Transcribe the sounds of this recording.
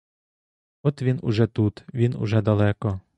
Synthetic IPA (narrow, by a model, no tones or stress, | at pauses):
ɔt̪ʋʲinṵʒɛt̪ut̪ʋʲinʊ̰ʒɛd̪ɐlˠɛkɔ